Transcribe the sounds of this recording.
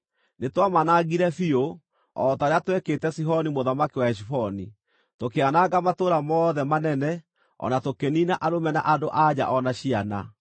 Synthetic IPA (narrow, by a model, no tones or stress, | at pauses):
netwamanaɣiɾɛfio | ɔtaɾeatwɛketɛsiɦɔnimoðamakiwaɛʃ̬ifɔni | tokeanaɣamatoɾamɔːðɛmanɛnɛ | ɔ̰natokeninaʔaɾomɛna̰ʔadoʔad͡ʑa̰ʔɔnaɕiana̰